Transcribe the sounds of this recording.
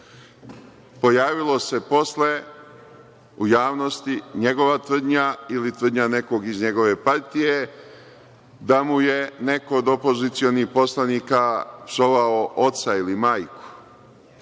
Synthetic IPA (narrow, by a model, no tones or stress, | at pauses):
po̞jaːʋilo̞se̞po̞sle̞ | ujaːʋno̞st̪iɲe̞ɡo̞ʋat̪ʋr̩d̪ɲailit̪ʋr̩d̪ɲane̞ko̞ɡizɲe̞ɡo̞ʋe̞paɾt̪ije̞ | d̪amuje̞ne̞ko̞ːd̪opo̞zit̪sio̞nihpo̞slˠaniːkapsoʋaoʔo̞t̪sailimaːjku̥